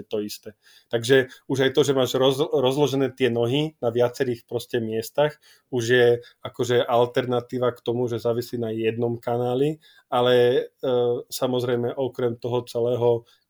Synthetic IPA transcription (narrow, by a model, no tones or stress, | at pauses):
t̪ɔist̪ɛː | t̪aɡʒɛuʒajt̪ɔʒɛmaːʒɾɔɾɔzlɔʒɛnɛːt̪ɪɛnɔɦinaʋɪat͡sɛɾiːxpɾɔscɛmɪɛst̪ax | uʒjɛakɔʒɛʔalt̪ɛɾnat̪iːʋakt̪ɔmuʒɛzaːʋisliːnajɛd̪nɔmkanaːli | alɛ | samɔzɾɛjmɛʔɔkɾɛmt̪ɔɦɔt͡sɛlɛːɦɔ